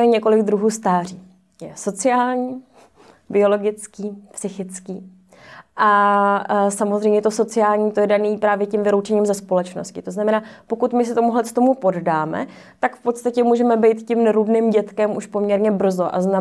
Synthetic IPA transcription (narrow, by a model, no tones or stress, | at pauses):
ɛɲɛko̞lɪɡd̪ɾuɦuːst̪aːr̝iː | jɛso̞t͡sɪaːlɲiː | bɪo̞lo̞ɡɪt͡skiːpsɪxɪt͡skiː | ʔa | samozrɛjmɲɛt̪o̞so̞t͡sɪaːlɲiːt̪ojɛdaniːpɾaːvjɛcɪmvɪlowt͡ʃɛɲiːmzɛspo̞lɛt͡ʃno̰scɪt̪o̞znamɛnaːpo̞kut̪mɪsɪt̪o̞muɦlɛt̪t̪o̞mupo̞ddaːmɛ̰ | t̪akfpo̞t̪st̪acɛmuːʒɛmɛbɛjt̪cɪmnɛɾudnɪmɟɛt̪kɛmuʃpo̞mɲɛɾɲɛbr̩zo̞ʔa̰zna